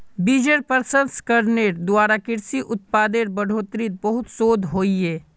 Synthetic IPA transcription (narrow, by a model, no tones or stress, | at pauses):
biːd͡ʒeɾpəɾsə̃nskɐɾneːɾd̪waːɾakɪɾsiʔʊt̪̚paːd̪eɾbɐɽ̤ʱoːt̪ɾit̪̚bɐɦʊt̪soːd̪ʱɦoːieː